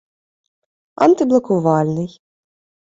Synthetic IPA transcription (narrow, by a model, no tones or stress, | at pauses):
ɐ̰nt̪ɨblˠɐkʊvɑlʲnɨj